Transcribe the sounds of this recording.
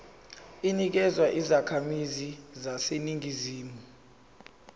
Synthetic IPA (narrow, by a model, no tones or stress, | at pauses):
inik̬ɛzwaʔizakʰamizizaseniŋiziːmu